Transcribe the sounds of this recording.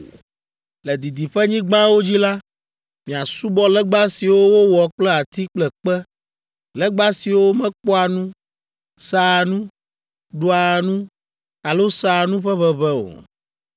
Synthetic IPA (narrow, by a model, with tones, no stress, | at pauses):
lɛ˨d̪i˨d̪i˨ɸɛ˦ɲĩ˦ɡ͡bã˦wo˦d͡ʑi˦la˦ | mĩ˨a˨su˦bɔ˦lɛ˦ɡ͡ba˦si˨wo˦wo˦wɔ˨k͡plɛ˦a˨t̪i˦k͡plɛ˨k͡pɛ˦ | lɛ˦ɡ͡ba˦si˨wo˦mɛ̃˦k͡pɔ˦a˨nũ˦ | sa˨nũ˦ | ɖo˦a˨nũ˦ | a˨lo˦sa˦˨nũ˦ɸɛ˦βɛ˨βɛ˦o̰˨